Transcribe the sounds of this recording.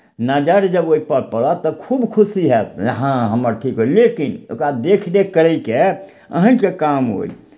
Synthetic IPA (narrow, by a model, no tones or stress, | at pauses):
nad͡ʒəɾd͡ʒəboipəɾpəɽɔt̪ɔkʰubkʰusiɦɛt̪ɦãɦəməɾʈʰikɦojlekino̰kɾad̪ekʰnekəɾəjke | ə̰ɦə̃kekamɦo̰j